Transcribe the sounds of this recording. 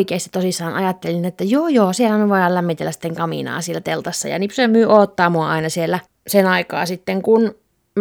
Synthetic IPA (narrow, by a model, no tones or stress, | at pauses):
ikeˑːst̪it̪osisːɑːnʔɑjɑt̪ːelinet̪ːæjoːjoːsielæmeʋoiɑllæmːit̪elːæsi̥t̪ːeŋkɑmḭnɑ̰ːsielæt̪elt̪ɑsːɑ̰jɑ̰nipssemyːoːt̪ːɑːmuɑɑinɑsielːæ | senɑikɑ̰ːsit̪ːeŋkun | m